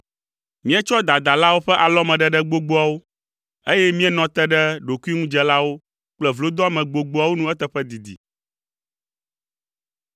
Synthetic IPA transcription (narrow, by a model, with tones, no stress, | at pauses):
mĩ˦ɛ˦t͡ʃɔ˦d̪a˨d̪a˨la˦wo˦ɸɛ˦ʔa˨lɔ˦mɛ̃˨ɖɛ˦ɖɛ˦ɡ͡bo˦ɡ͡bo˦a˨wo˦ | e˦jɛ˦mĩ˦ɛ˦nɔ̃˨t̪ɛ˦ɖɛ˦ɖo˨ku˦i˦ŋũ˦d͡ʒɛ˨la˦wo˦ | k͡plɛ˨vlo˦d̪ɔ˦a˨mɛ̃˨ɡ͡bo˨ɡ͡bo˦a˨wo˦nũ˦ɛ˦t̪ɛ˦ɸɛ˦d̪i˨d̪ḭ˨